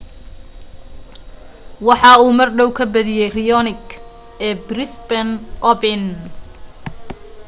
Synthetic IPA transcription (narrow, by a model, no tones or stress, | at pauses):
wɑħɑːuːmɐrɖɔwkʰɐbɐðɪjɛjrɪjɔnɪɡ | ɛːbrɪsbɐnʔɔbɪn